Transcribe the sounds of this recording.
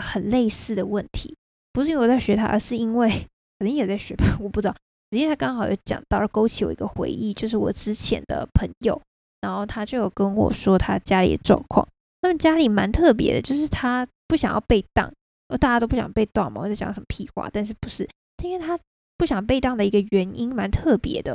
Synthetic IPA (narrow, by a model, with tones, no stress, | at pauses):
xə˨˩nle˥˧ɪsɹ̩˥˩d̪ə˩wə˥˩nt̪ʰi˧˥ | pu˧˥ʂɻ̩˥˧i˥˩wt͡sa˥˩ɕɥɛ˧˥t̪ʰa̰˥ʔə̰˞˧ʂɻ̩˥˩i˥nwe˥˩ɪ | kʰni˧˥ŋ˥jɛ˨˩t͡sa˥˩ɪɕɥɛ̰˧˥pa˥˩wɔ˨˩pu˥˩ʈ͡ʂɻ̩˥d̪ɑ˥˨ | ʈ͡ʂ̩˨˩t͡ɕi˥˩˧t̪ʰa˥kɑ˥ŋxɑ˨˩ʊjo̰˥˩t͡ɕjɑ̰˨˩ŋt̪ɑ˥˩ʊ˥˩ko˥ʊt͡ɕʰi˧˥˩wɔ̰˨˩ḭ˧˦ɡə˧xwḛ˧˥ɪʔḭ˥˩t͡ɕjo˥˧ʊʂ̬ɻ̩˥˩wɔ̰˨˩ʈ͡ʂɻ̩˥t͡ɕʰjɛ̰˧˥nd̪ə̰˧pʰə˧˥ŋjo˨˩ʊ | ɻa˧˥nxo˥˩ʊt̪ʰa˥t͡ɕjo˥˧ʊjɑ˥˩ʊkə˥nwɔ̰˨˩ʂwɔ˥t̪ʰa˥t͡ɕja˥lḭ˨˩d̪ə̰˦ʈ͡ʂwɑ̰˥˧ŋkʰwɑ̰˥˩ŋ | nʰa˥˩mə˨nt͡ɕja˥li˨˩ma˧˥nt̪ʰɤ˥˩p̬jɛ̰˧˥d̪ə˧t͡ɕjo˥˧ʊʂɻ̩˥˩t̪ʰa˥ | pu˥˩ɕjɑ˨˩ŋjɑ̰˥˧ʊpe˥˧ɪt̪ɑ̰˥˩ŋ˥˨˩ | t̪a˥˩t͡ɕa˥t̪o˥ʊpu˥˩ɕj̰ɑ̰˨˧˥pe˥˧ɪt̪wa̰˥˩ŋma̰˨˩wɔ˨˩t͡st͡ɕ̪ːʂə˥˦mə˦pʰi˥˧xwa̰˥˩t̪a˥˧nʂ̬ɻ̩˥˩pu̥˧˥ʂɻ̩˥˩ | t̪ʰa˥i˥nwe˥˩t̪ʰa˥ | pu˥˩ɕjɑ˨˩ŋpe˥˧ɪt̪ɑ˥˩ŋd̪ə˩i˧˥ɡə˧ɥɛ˧˥ni˥nma˧˥nt̪ʰɤ˥˩pjɛ̰˧˥d̪ə˧